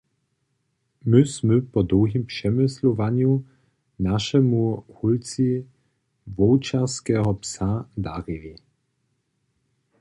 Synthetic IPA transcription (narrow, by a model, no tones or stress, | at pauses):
mʏsmɵpɔd̪ɔwɦimpʂɛmɪslɔvaɲju | naʃɛmuhult͡si | vɔwt͡ʃaskɛːɦɔpsad̪aʁɪli